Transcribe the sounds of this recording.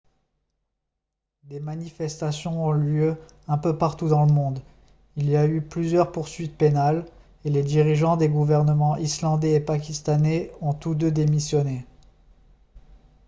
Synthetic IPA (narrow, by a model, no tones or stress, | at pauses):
d̪emanifɛst̪asjɔ̃ɔ̃ljø | ɛ̃pøpaʁt̪ud̪ɑ̃ləmɔ̃d̪ | iliayplyzjœʁpuʁsɥit̪̚penal | eled̪iʁiʒɑ̃d̪eɡuvɛʁnəmɑ̃ʔislɑ̃d̪ɛːpak̬ʲist̪anɛɔ̃t̪ud̪ød̪emisjɔne